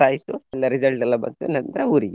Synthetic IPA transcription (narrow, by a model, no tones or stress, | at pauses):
aːjit̪uɛlːɐɾid͡ʒɐlʈɛlːɐbɐnt̪unɐnd̪ɾeuːɾiɡ